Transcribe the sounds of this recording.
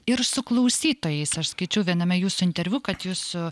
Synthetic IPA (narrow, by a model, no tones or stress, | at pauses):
ɪɾsʊklˠɐʊsʲiːt̪oːjɛɪsɐʃskɐɪt͡ʃʲɛʊʋʲiɛnɐmʲɛjuːsʊɪnt̪ʲɛɾʲʋʲʊkɐt̪juːsʊ